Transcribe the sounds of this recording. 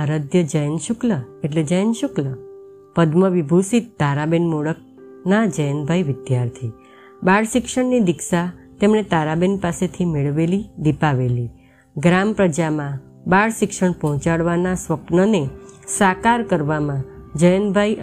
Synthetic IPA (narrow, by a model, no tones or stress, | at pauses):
əɾəd̪jəd͡ʒəjənʃʊkləeʈled͡ʒəjənʃʊklə | pəd̪məʋibʱusit̪̚d̪ʱaɾabenmoɽək̚ | nad͡ʒəjənbʱajʋɪd̪jaɾt̪ʰi | baɭʃɪkʃəɳnid̪ɪkʃat̪emɳet̪aɾabenpaset̪ʰimeɭʋelid̪ipaʋeli | ɡɾampɾəd͡ʒamã | baɽʃɪkʃəɳpɔɦɔ̃t͡ʃaɽʋanasʋəpnənesakaɾkəɾʋamãd͡ʒəjənbʱaj